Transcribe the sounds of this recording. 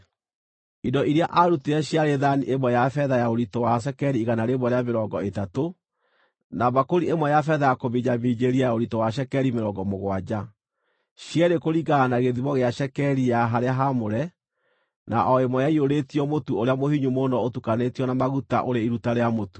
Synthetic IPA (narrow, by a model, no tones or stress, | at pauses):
idɔʔiɾeaʔaɾuteɛɕjaɾeðaniʔemwɛjafɛðajaoɾitowaʃ̬ɛkɛɾiːɣanaɾemwɔɾeameɾɔɡɔetato | naβakoɾiemwɛjafɛðajakoβiɲamiːd͡ʑeɾiajaoɾitowaɕ̬ɛkɛɾimeɾɔɡɔmoɣwad͡ʑa | ɕjɛɾekoɾiɡaːnaɣeðiβɔɣeaʃɛkɛɾijaɦaɾeaɦamoɾɛ | na̰ʔɔemwɔjaioɾetiɔmotuoɾeamohiɲumonɔotukanetiɔnamaɣuta̰ʔoɾeiɾutaɾeamotu̥